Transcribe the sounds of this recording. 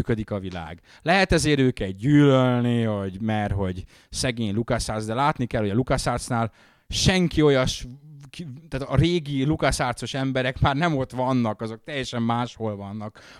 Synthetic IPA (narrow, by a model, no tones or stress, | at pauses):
kød̪ikɒvila̰ːɡ | lɛɦɛt̪ɛzeːɾøːkɛlɟyːlølnivoɟmɛrɦo̞ɟ | sɛɡeːɲlukaʃaːrsd̪ɛlaːt̪nikɛlho̞ɟɒlukɒʃaːrt̪snaːl | ʃɛŋkio̞jɒʃkt̪aːt̪ɒreːɡilukɒʃaːrt̪so̞ʃɛmbɛɾɛkmaːrnɛmo̞t̪ʋɒnːɒkɒzo̞k̚t̪ɛjːɛʃɛmːaːʃho̞lvɒnːɒk